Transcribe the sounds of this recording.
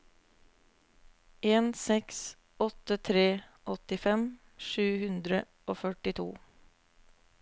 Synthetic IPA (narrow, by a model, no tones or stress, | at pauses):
eːnsɛks | ɔt̪ːət̪ʰɾeːʔɔt̪ɪfɛm | ʂʉːhʉnd̪ɾə | ʔoːfœʈɪt̪ʰṵː